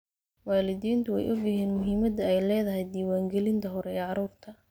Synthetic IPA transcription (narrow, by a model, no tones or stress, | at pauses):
waːlɪðiːnt̪ʰʊɛ̰jʔɔɡjɪɦiːnmʊɦiːmɐd̪ɐɛjlɛːðɐɦɛjd̪iːwaːŋɡɛlɪnt̪ʰɐɦɔɾɛɛːʕɑɾuːrt̪ʰɐ